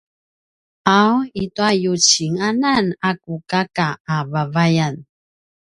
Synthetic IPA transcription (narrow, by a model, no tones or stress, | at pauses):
awituajut͡ɕiŋananakukakaːvavajan